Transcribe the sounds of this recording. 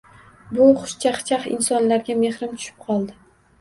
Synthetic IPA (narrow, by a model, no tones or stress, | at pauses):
bʊχʊ̥ʃt͡ʃʰaχt͡ʃʰaχɪ̰nsɒnlaɾɡʲame̞hɾɪmt̪ʰʊ̥ʃɪ̥p̚qʰɒlˠd̪ɪ